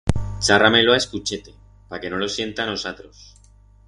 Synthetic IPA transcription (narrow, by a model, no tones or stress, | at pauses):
t͡ʃarameloaeskut͡ʃe̞t̪e̞ | pake̞no̞lo̞sje̞nt̪ano̞sat̪ɾo̞s